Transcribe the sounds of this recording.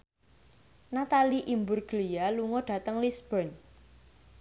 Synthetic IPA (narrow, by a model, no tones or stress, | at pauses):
nat̪aliʔimbʊrɡ̥lijaluŋɔɖ̥a̤t̪əŋlisb̥ɔn